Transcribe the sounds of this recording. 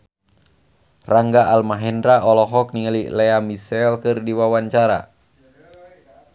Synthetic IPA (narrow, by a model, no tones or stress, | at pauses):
raŋɡaalmaɦɛndɾaʔɔlɔɦɔk̚niŋalilɛamisɛlkɨrdiwawaɲt͡ʃaɾa̰